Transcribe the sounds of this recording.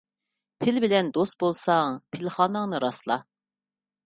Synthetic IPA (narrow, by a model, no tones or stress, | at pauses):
pʰɪlbɪlɛnd̪ost̪̚bolˠsɑŋpʰɪlχɑːnəŋnɨɾɑslˠɑ̰